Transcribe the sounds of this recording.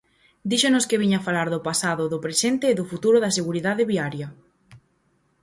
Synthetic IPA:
d̪iʃonʊskeβiɲafalaɾðʊpasaðʊðʊpɾesent̪eːðʊfut̪uɾʊðɐseɣuɾiðaðeβiaɾjɐ

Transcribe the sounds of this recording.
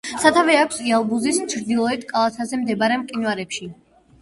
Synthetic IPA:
sat̪ʰavɛakʷʰsialˠɡuzist͡ʃʰɾd̪ilˠɔɛt̪ʰkʼalˠat̪ʰazɛmd̪ɛbaɾɛmqʼinvaɾɛpʃi

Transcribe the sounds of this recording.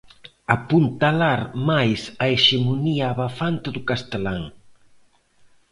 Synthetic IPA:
apunt̪alaɾmajsaeʃemoniaːβafant̪ɪðʊkast̪elaŋ

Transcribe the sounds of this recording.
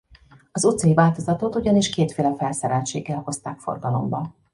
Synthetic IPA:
ɒzut̪sɒjivaːlt̪o̞zɒt̪ot̪uɟɒniʃkeːt̪feːlɛfɛlsɛɾɛlt͡ʃḛːɡːɛlho̞st̪aːkfo̞̰rɡɒlo̞̰mbɒ

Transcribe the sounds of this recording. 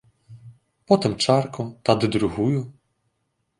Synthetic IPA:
pɔt̪ɪmt͡ʂɑrkɔt̪ad̪ɪd̪ɾʊɦujʊ

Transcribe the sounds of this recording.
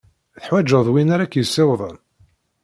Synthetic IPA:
θəħwæd͡ʒːəðˤwinaɾakːjəsːɪwðˤən

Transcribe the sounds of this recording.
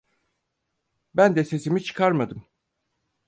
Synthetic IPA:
bænd̪ɛse̞simit͡ʃʰɯ̥kʰaɾmad̪ɯm

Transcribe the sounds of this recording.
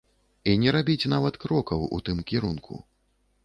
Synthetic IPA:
inʲɛɾabʲit͡sʲnavɐt̪kɾɔkɐwṵt̪ɨmkʲiɾunkʰṵ

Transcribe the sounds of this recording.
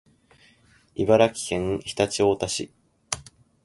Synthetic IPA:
ibaɾakʲi̥hẽ̞ŋçi̥t̪at͡ɕio̞ːt̪aɕḭ

